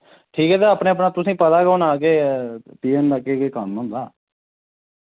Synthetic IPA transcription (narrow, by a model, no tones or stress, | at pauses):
ʈʰiːkɦɛːt̪̬eaːpɳeːəp̬naːt̪ʊsĩːpət̪aːkəʊnaːkeːpiːeːnd̪aːkeːkeːkəmɦʊ̃nd̪aː